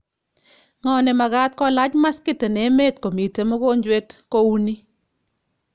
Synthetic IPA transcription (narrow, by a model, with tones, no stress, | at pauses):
ŋɔ˨nɛ˨ma˨ɡa˦t̚kɔ˦la˦t͡ʃma˦skɪ˦te˨ne˨˦me˦˨tko˨mi˨te˨mɔ˦ko˦ɲd͡ʒwe˦tko˦u˦ni˦